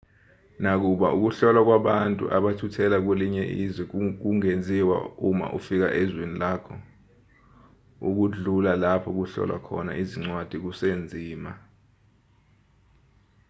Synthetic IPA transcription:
nak̬uɓaʔuk̬uɬɔlwak̬waɓantʼṵʔaɓatʰutʰɛlak̬weliɲɛʔizwɛk̬uŋend͡zʱiwa̰uma̰ʔufik̬a̰ʔɛzwinilaːkʰɔ | uk̬uɮulalapʰɔk̬uɬɔ̰lwa̰kʰɔ̰na̰ʔiziŋ͡ǀwad̥ʱik̬usend͡zʱiːma

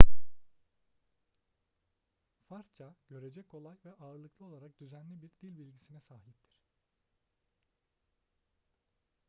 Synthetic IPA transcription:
faɾst͡ʃʰaɟ̥ø̞ɾe̞d͡ʒɛkʰo̞lˠajvɛʔaːɾɯlˠɯklˠɯo̞lˠaɾak̚d̪̥yzænlʲibiɾd̪ilʲbilʲɟisinɛsaːɦip̚t̪ʰiɾ̥

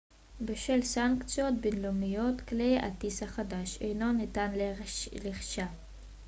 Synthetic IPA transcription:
beʃelsaŋkt͡sijot̪̚binlumijo̞t̪kleja̰t̪ishaχad̪aʃejno̞nit̪anlleχʃa

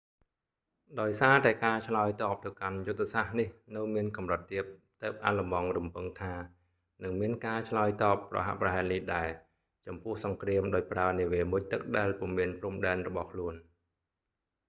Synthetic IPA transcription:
ɗaɔjsaːt̪aɛkaːt͡ɕʰlaəjt̪ɑːp̚t̪ɨwkanjut̪ʰːesahnihnɨwmiənkɑmrɨt̪ːiəp̚t̪əːp̚ʔa̰lɑmɑŋrumpɨŋt̪ʰaː | nɨŋmiənkaːt͡ɕʰlaəjt̪ɑːpːrɑ̰ɦa̰ʔprɑɦaɛlnihɗaɛl | t͡ɕɑmpʊ̆əhsɑŋkriəmɗaɔc̚praəniəʋiəmuc̚t̪ɨk̚ɗaɛlpŭəmiənprumɗaɛnrɔɓɑhkʰluən

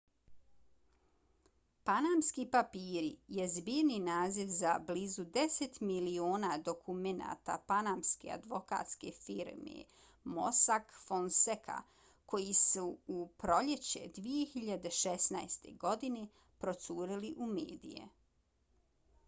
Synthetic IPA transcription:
panamskipapiːɾijezbiɾninaːziʋza̰bliːzud̪e̞set̪milio̞ːnad̪o̞kʰumena̰ːt̪a̰panamske̞̰a̰d̪ʋo̞ka̰ːt̪ske̞fiɾmḛ | mo̞̰sakfonsekʰa̰ | ko̞jisuupɾo̞ʎe̞t͡ɕe̞̰d̪ʋije̞xiʎad̪e̞ʃesnajst̪e̞̰ɡo̞d̪ine̞ | pɾo̞t̪suːɾiliʔumḛːd̪ḭje̞̰

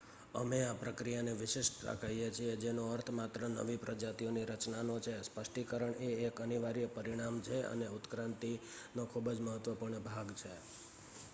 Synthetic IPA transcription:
ə̰meapɾəkɾijaneʋɪʃɪʃɾa̰kʰəɦijet͡ʃʰied͡ʒenoəɾt̪ʰəmat̪ɾənə̰ʋipɾəd͡ʒat̪ijoniɾət͡ʃnanot͡ʃʰespəʃʈikəɾəɳeːkəniʋaɾijəpəɾiɽ̃amt͡ʃʰeə̰neut̪kɾãnt̪i | nokʰubd͡ʒməɦət̪ʋəpuɾɳəbʱaɡt͡ʃʰe

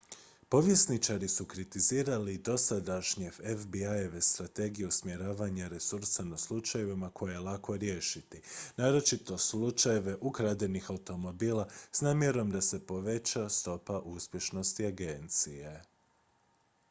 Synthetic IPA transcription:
po̞ʋje̞snit͡ʃaɾisukɾit̪iziːɾalid̪o̞sad̪aʃɲefefbiaeʋest̪ɾat̪e̞ɡijuusmje̞ɾaːʋaɲaɾe̞suɾsanaslˠut͡ʃajeʋimako̞jajelˠako̞ɾje̞ʃit̪inaːɾo̞t͡ʃit̪o̞slˠut͡ʃaje̞ʋe̞ʔukɾad̪enixaut̪o̞mo̞biːlˠasnaːmje̞ɾo̞md̪ase̞po̞ʋe̞t͡ɕast̪o̞paʔuspje̞ʃno̞st̪iaɡe̞nt̪sije̞

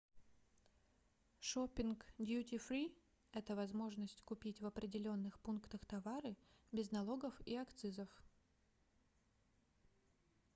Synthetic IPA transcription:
ʂopʲːɪnkd̪ʲjutʲifɾʲi | ɛt̪əvɐzmo̞ʐnəsʲtʲkʊpʲitʲvɐpɾʲɪdʲɪlʲo̞nːɨxpunkt̪əxt̪ɐvaɾɨbʲɪznɐlˠo̞ɡəfiɐkt̪sɨzəf

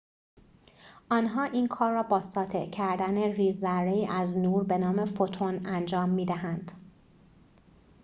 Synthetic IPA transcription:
ʔɒːnɦɒːʔiːnkʰɒːɾːɒːbɒːsɒːt̪ʰe̞̰ʔcʰæɾd̪æneriːzːæɾeiːʔæznuːɾbe̞nɒːme̞fot̪ʰonænd͡ʒɒːmːiːd̪æɦænd̪̥

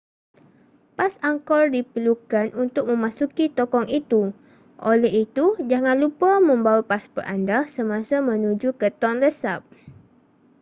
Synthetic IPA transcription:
pasaŋkɔrdipəlukanunt̪ʊk̚mə̃mãsukit̪okɔŋit̪u | ʔolɛɦit̪ud͡ʒaŋãnlupamə̃mbawapasbə̰rʔa̰ndasəmãsamə̃nud͡ʒukət̪ɔnləsap̚

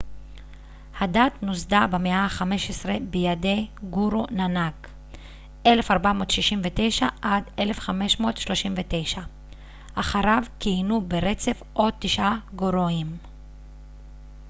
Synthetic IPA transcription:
hadat̪nozd̪abemeaχame̞ʃesʁebejade̞jɡuɾonanak | ʔelefaʁbamo̞ːt̪ʃiʃimvet̪e̞jʃaʔadele̞fχame̞ʃmo̞ːtʃlo̞ʃimvet̪e̞jʃa | ʔaχaʁavkijnubeʁet͡se̞fʔo̞d̚t̪ːiʃʔaɡoɾoim

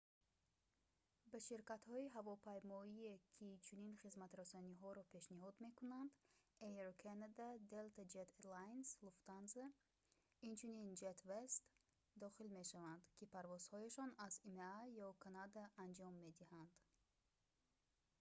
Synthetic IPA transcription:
bæʃiɾkat̪hɔiɦavɔpʰajmɔiekʰit͡ʃʰuninχizmat̪ɾasaniɦɔɾɔpʰe̞ʃniɦɔd̪me̞kunand̪ejeɾkʰanad̪ad̪elt̪ʰad͡ʒet̪ʰlajnsluft̪anze | int͡ʃʰunind͡ʒet̪vest̪ | d̪ɔχilme̞ʃavand̪kʰipʰaɾvɔz̥hɔjaʃɔnazimeajɔkʰanad̪aːnd͡ʒɔmːe̞d̪ihand̪

